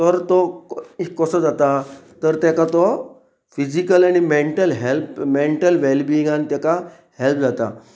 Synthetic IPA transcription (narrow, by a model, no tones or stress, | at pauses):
t̪əɾt̪ɔ | kːəsəd͡zat̪at̪əɾt̪jakat̪ɔ | fid͡ʑikəlaɽ̃imeɳʈəlɦelpmeɳʈəlʋelbĩːŋɡant̪jaka | help̚d͡zat̪a̰